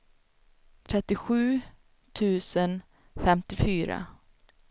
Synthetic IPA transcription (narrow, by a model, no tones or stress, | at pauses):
t̪ʰɾɛt̪ːɪɧʉ̟ː | t̪ʰʉ̟ːsən | fɛmt̪ɪfyːɾa̰